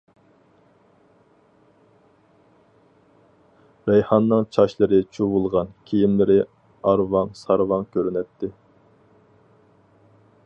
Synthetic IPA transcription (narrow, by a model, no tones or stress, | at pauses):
ɾɛjhɑnːɨŋt͡ʃʰɑʃlˠɨɾɨt͡ʃʰuvulˠʁɑnkʲʰijimlɪɾɪ | ɑɾvɑŋsɑɾvɑŋkʲʰøɾynɛt̪ʰːɪ